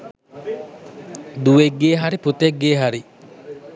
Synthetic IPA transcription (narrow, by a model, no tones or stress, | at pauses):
d̪uʋeɡːeːɦaɾiput̪eɡːeːɦaɾi